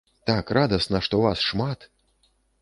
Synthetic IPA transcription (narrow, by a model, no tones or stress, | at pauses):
t̪akrʔad̪ɐsnɐʂt̪ɔvasʂmat̪